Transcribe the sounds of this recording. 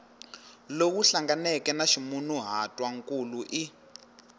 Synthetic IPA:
lok̬uɬaŋɡanɛkɛnaʃimunuɦatʼwaŋkʼuluʔi

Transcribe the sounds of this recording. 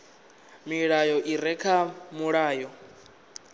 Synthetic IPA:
miɺajɔʔiɾɛkʰamuɺaːjɔ

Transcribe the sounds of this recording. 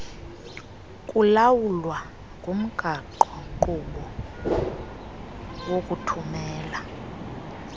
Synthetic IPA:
kʼulawulwa | ŋɡʱum̩ɡ̥ʱaǃɔǃuɓɔ | wokʼutʰumɛːla

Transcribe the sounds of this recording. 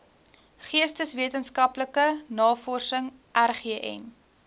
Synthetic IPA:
χiəstəsviətənskɐpləkənɑːfɔrsəŋ | ʔærχiəʔɛ̰n

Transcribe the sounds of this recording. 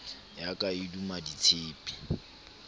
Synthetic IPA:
jakʼaidumaditʰeːpʼi̥

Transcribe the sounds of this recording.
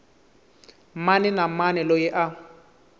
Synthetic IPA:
manɛnamanɛlojɪʔa

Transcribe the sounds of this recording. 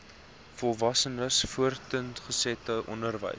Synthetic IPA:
fɔlˠvɐsənəsfuərtəntχəsɛtəʔɔ̰ndərvə̰j

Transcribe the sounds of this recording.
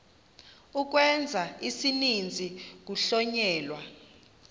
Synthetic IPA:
uk̬wɛnd͡zʱaisinind͡zʱik̬uɬɔɲɛːlwa

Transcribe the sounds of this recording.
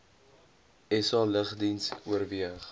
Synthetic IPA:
ɛsɑləχdinsuərviəχ

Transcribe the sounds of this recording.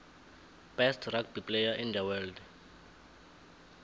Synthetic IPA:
b̥ɛstʰrak̚bipʼlejaʔind̪ɛwɛld

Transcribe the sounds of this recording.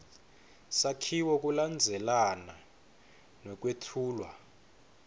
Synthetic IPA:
sakʰiwɔk̬ʼuland͡zʱɛlana | nwɛk̬ʼwetʰuːlwa

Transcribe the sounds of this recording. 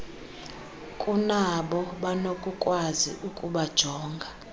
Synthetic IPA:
kʼunaɓɔɓanokʼukʼwazḭʔukʼuɓad̥ʒ̥ʱɔːŋɡʱa

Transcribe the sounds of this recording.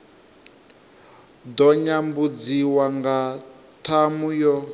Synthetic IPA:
d̪ɔɲambud͡ziwaŋɡa | tʰamujɔ

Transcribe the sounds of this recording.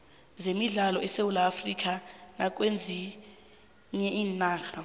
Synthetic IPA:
zemiɮalɔɛsewulaːfrik̬anak̬ʼwend͡zʱi | ɲɛʔiːnnaːxa

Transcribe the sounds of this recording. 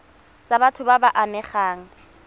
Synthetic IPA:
t͡sʼabatʰʊbabaʔamɛχaːŋ̩

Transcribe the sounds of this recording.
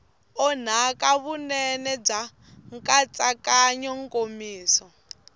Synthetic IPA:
ɔn̤akʼaβunɛnɛb͡ʐa | ŋkʼat͡sʼakʼaɲɔŋ̩kʼomiːsɔ

